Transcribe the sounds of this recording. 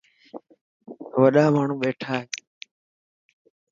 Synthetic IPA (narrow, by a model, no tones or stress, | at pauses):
ʋəɗaːmaːɳ̤ũːɓeːʈʰaːɦeː